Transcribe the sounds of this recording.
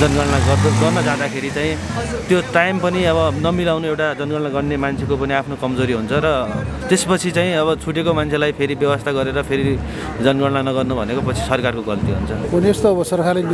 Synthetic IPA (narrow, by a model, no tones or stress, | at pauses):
d͡zʌnɡʌɽnaɡʌɡʌrnʌd͡zad̪akʰeɾit͡saĩ | t̪joʈajmpʌniʌβʌnʌmilawnuewʈad͡zʌnɡʌɽnaɡʌɽnemant͡sʰekopʌniapʰnokʌmd͡zoɾiɦunt͡sʰʌɾʌt̪espʌt͡sʰit͡saĩʌβʌt͡sʰuʈekomant͡sʰelajpʰeɾibjʌwʌst̪ʰaɡʌɾeɾʌpʰeɾi | d͡zʌnɡʌɽnanʌɡʌrnubʱʌnekopʌt͡sʰi̥sʌrkarkoɡʌlt̪iɦṵnt͡sʰʌɦʌniest̪oʌbʌsʌrkʰalen